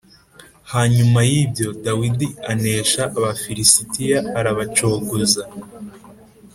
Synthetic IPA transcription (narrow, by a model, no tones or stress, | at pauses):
haɲumajibjo̞dawidiane̞ːʃaʔaβafiɾisitijaːɾaβat͡ʃoːɡoza